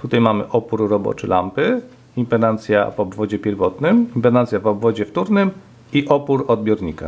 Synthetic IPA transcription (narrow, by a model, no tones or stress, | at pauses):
t̪ut̪ajmamɘ̰ʔɔpuɾɾɔbɔ̰t͡ʂɘla̰mpɘ | impɛnant̪sʲja̰vɔbvɔd͡ʑɛpʲjɛɾvɔt̪nɘmimpɛnant̪sʲjavɔbvɔd͡ʑɛft̪uɾnɘm | iʔɔpuɾɔd̪̚bʲjɔɾɲika̰